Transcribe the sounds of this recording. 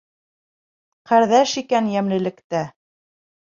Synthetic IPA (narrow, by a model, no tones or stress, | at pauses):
qæɾðæʃikænjæmlɘ̆lɘ̆kt̪æ